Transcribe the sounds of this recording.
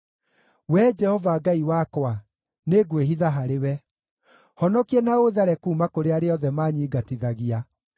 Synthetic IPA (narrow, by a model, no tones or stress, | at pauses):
wɛd͡ʒɛhɔvaɡaiwakwa | neɡweɦiðaɦaɾewɛ | hɔnɔkiɛnaoðaɾɛkuːmakoɾeaɾeɔðɛmaːɲiːɡatiðaɣia